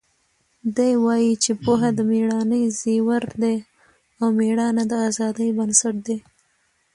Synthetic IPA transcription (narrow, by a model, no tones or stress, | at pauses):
d̪ajwɑjit͡ʃepoɦad̪əmeɽɑnəjziwaɾd̪e | awmeɽɑnad̪əazɑd̪əjbənsaʈ̚d̪e